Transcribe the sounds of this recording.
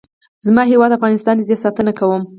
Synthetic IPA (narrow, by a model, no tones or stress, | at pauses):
zmɑɦewɑd̪afɣɑnɪst̪ɑnd̪əd̪esɑt̪ənakawəm